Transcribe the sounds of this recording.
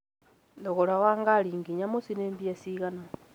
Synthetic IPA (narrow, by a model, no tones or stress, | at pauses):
ndoɣoɾawaŋɡaɾiːŋɡiɲamosinembiasiɣana